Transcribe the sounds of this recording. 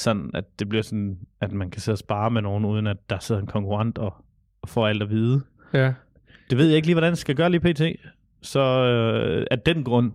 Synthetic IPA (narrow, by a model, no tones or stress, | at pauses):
sɒ̽n̰n̩æd̥̚d̥e̝b̥liɐsɒ̽nʔæd̥mænkʰæse̝ðˠsb̥ɑ̈ːmeno̝ːn̩uːð̞ˠən̩ædd̥ɑ̈seð̰ˠɐe̝nkʰɒ̽ŋkʰuʁɑ̈n̰d̥ɒ̽ | fɒ̰æl̰d̥ɒʋiːð̞ˠə | d̥e̝ʋe̝ð̞̰ˠje̝ɡ̥liːʋɒɾænsɡ̥æɡ̥ɶːɐliːpʰe̝̰ːt͡sʰe̝̰ː | sɒ̽ | æd̥enɡ̥ʁɔ̽n̰